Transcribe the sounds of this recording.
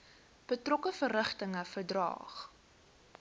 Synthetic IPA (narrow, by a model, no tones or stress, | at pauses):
b̥ətrɔkəfərəχtəŋəfərdrɑ̰ːχ